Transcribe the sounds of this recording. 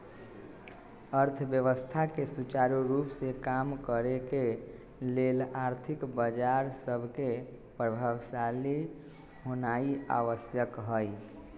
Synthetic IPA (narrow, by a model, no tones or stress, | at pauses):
əɾt̪ʰbjəʋəst̪ʰakesut͡ʃaɾuɾupsekamkəɾeke | lelaɾt̪ʰikbəd͡ʒaɾsəbʱke | pɾəbʱawsali | ɦonaia̰ʋəsjəkɦəj